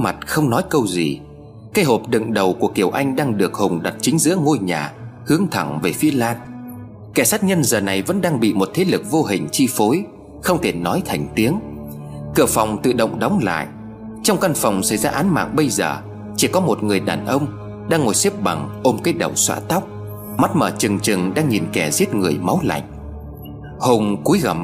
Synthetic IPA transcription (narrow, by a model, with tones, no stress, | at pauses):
ma˨˩t̚xə˧wŋ͡mnɔ˨˦jkə˧wzḭ˨˩ | kaː˧jɦo˨˩p̚ɗɨ̰˧˨ŋɗə˨˩wku˧˩əki˨˩əwʔa˧jŋ̟ɗaː˧ŋɗɨ˨˩ək̚hʊ˨˩ŋ͡mɗa˨˩t̚t͡ɕï˨˦ŋ̟zɨ̰˧˥əŋo˧jɲaː˨˩hɨ˨˦əŋt̪ʰa˧˩ŋve˨˩fi˨˦əlaː˧n | kɛ˧˩saː˦˥t̚ɲə˧nzəː˨˩na˨˩jvə̰˧˥nɗaː˧ŋɓḭ˧˨mo˨˩t̚t̪ʰe˨˦lɨ˨˩k̚vo˧ɦï˨˩ŋ̟t͡ɕi˧fo˨˦j | xə˧wŋ͡mt̪ʰe˧˩nɔ˨˦jt̪ʰa˨˩jŋ̟t̪i˨˦əŋ | kɨ˧˩əfa˨˩wŋ͡mt̪ɨ̰˧˨ɗə̰˧˨wŋ͡mɗə˨˦wŋ͡mla̰ː˧˨jʔ | t͡ɕa˧wŋ͡mka˧nfa˨˩wŋ͡msa̰˧˩jzaː˧ʔaː˨˦nma̰ː˧˨ŋɓə˧jzəː˨˩ | t͡ɕi˧˩kɔ˨˦mo˨˩t̚ŋɨ˨˩əjɗaː˨˩nʔə˧wŋ͡m | ɗaː˧ŋːo˨˩jsi˦˥əp̚ɓa˨˩ŋʔo˧mkəː˨˦jɗə̰˨˩wswa̰ː˧˥t̪a˦˥wk͡p̚ | ma˦˥t̚məː˧˩t͡ɕɨ˨˩ŋt͡ɕɨ˨˩ŋɗaː˧ŋɲi˨˩nkɛ˧˩zi˦˥ət̚ŋɨ˨˩əjma˨˦wla̰˧˨jŋ̟ | ho˧ŋ͡mku˨˦jɣə˨˩m